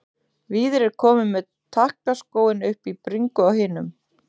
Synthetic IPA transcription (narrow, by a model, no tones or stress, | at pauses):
viːðɪɾɛɾkʰɔːmɪmɛð | t̪ʰːahknaskoːwɪnʏhpipɾiŋkʏawhɪːnʏm